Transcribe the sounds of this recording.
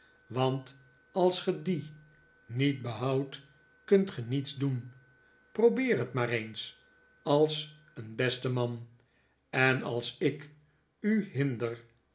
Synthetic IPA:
ʋɑnt | ɑlˠsχədi | nit̚bəɦʌwt | kɵntχənitzdun | prowbɪːɹɦətmaːɾejns | ɑlˠs | ənbɛstəmɑn | ɛnɑ̰lˠsɪk | yɦɪndəɹ

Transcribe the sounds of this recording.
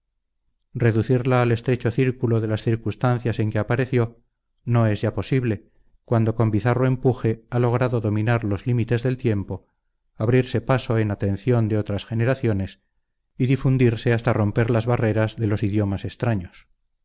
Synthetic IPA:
re̞ðuθiɾlaːle̞st̪ɾe̞t͡ʃo̞θiɾkuloðe̞lasθiɾkust̪anθjase̞ŋke̞apaɾe̞θjo̞ | no̞e̞zʝapo̞siβle̞ | kwand̪o̞ko̞mbiθaro̞e̞mpuxe̞alo̞ɣ̞ɾaðo̞ðo̞mĩnaɾlo̞zlimit̪e̞zðe̞lt̪je̞mpo̞ | aβɾiɾse̞paso̞e̞nat̪e̞nθjo̞nd̪eo̞t̪ɾasxe̞ne̞ɾaθjo̞ne̞s | iðifund̪iɾse̞ast̪aro̞mpe̞ɾlazβare̞ɾazðe̞lo̞siðjo̞mase̞st̪ɾaɲo̞s

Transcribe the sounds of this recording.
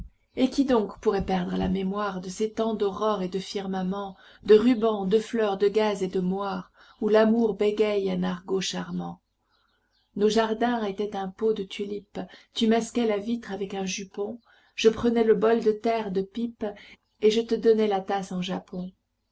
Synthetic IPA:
ekʲid̪ɔ̃kpuʁɛpɛʁd̪ʁəla̰memwaʁd̪əset̪ɑ̃d̪ɔʁɔʁed̪əfiʁmamɑ̃ | d̪əʁybɑ̃d̪əflœʁd̪əɡazed̪əmwaʁ | ulamuʁbeɡʲɛjɛ̃naʁɡoʃaʁmɑ̃ | noʒaʁd̪ɛ̃et̪ɛt̪ɛ̃pod̪ət̪ʰylipt̪ymaskʲɛlavit̪χavɛkɛ̃ʒypɔ̃ | ʒ̥əpχənɛləbɔld̪ət̪ɛʁd̪əpip | eʒət̪əd̪ɔnɛlat̪asɑ̃ʒapɔ̃

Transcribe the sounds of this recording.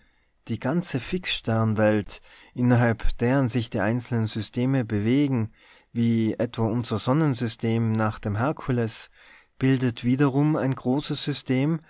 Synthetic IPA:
d̥iːɡant͡səfɪksʃtɛɐnvɛltʔɪnɐɦalpd̥eːʁənzɪçd̥iːʔaɪnt͡sl̩nənzʏstʰeːməbəveːɡŋ̩ | viːʔɛtv̥aːʔʊnzɐzɔnənzʏstʰeːmnaːχd̥eːmɦɛɐkʰʊlɛs | b̥ɪldətv̥iːdɐʁʊmaɪnɡʁoːsəsz̥ʏstʰeːm

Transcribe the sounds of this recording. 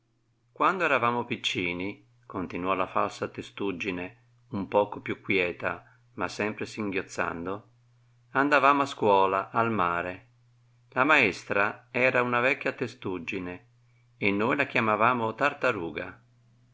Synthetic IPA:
kwand̪oɛɾavaːmopit͡ʃːiːni | kont̪inwɔlafalsat̪est̪ud͡ʒːine | umpɔːkopjukːwjɛːt̪a̰ | masːɛmpɾesiŋɡjot̪sːa̰nd̪o | and̪avaːmoaskwɔːlaʔalmaːɾe | lamaɛst̪ɾaɛːɾaunavɛkʲːjat̪est̪ud͡ʒːine | enːoːjlakjamavaːmot̪art̪aɾuːɡa

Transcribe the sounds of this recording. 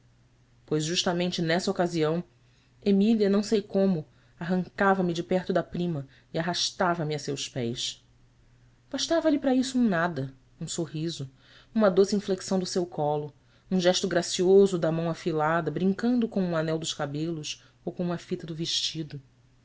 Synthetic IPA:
pojzʒuʃt̪ɐmẽnt͡ʃɪnɛsɐokaziɐ̃w̃ | emiliɐnɐ̃w̃sejkõmʊ | aɦɐ̃ŋkavɐmɪd͡ʒɪpɛχt̪ʊd̪ɐpɾĩmɐ | iaɦaʃt̪avɐmɪɐsewspɛjs | b̥aʃt̪avɐlɪpɾɐisʊũnad̪ɐ | ũsoɦizʊ | ũmɐd̪osɪĩfleksɐ̃w̃d̪ʊsewkʰɔlʊ | ũʒɛʃt̪ʊɡɾasiozʊd̪ɐmɐ̃w̃afilad̪ɐbɾĩŋkɐ̃nd̪ʊkõw̃ũanɛwd̪ʊʃkabelʊs | owkõũmɐfit̪ɐd̪ʊveʃt͡ʃid̪ʊ

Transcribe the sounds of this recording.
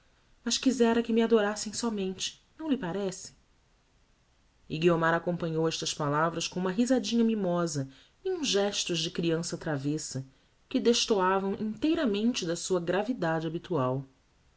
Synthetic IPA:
mɐʃkizɛɾɐkɪmɪad̪oɾasẽj̃sɔmẽnt͡ʃɪ̥nɐ̃w̃lɪpaɾɛsɪ̥ | ɪɡiomaɾakõmpɐ̃ɲowɛʃt̪ɐspalavɾɐskõũmɐɦizad͡ʒĩɲɐmimɔzɐ | iũzʒɛʃt̪ʊʒd͡ʒɪkɾiɐ̃sɐt̪ɾavesɐ | kɪd̪eʃt̪oavɐ̃w̃ʔḭ̃nt̪ejɾɐmẽnt͡ʃɪd̪ɐsuɐɡɾavid̪ad͡ʒɪabit̪uaw

